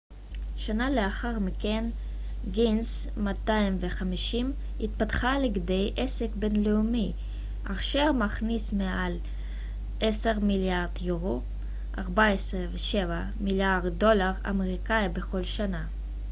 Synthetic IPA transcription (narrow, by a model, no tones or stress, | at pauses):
ʃanaleaχaʁmiken | ɡins | mataimveχamiʃim | itpatχaleɡdejʔesekbe̞nleumi | ʔaχʃeʁmaχnismeʔal | ʔeseʁmiljaʁdjuʁo | ʔaʁbaesʁeveʃeva | miljaʁdo̞laʁa̰meʁikaibe̞χo̞lʃana